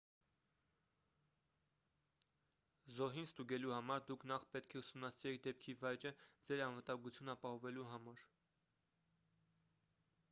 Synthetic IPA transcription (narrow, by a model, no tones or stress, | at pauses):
zɔɦinst̪uɡɛluhɑmɑɾd̪ukʰnɑχpɛt̪kʰɛusumnɑsiɾɛk̚ʰd̪ɛpkʰivɑjt͡ʃəd͡zɛɾɑnvət̪ɑŋɡut͡sʰjunɑpɑhɔvɛluɦɑmɑɾ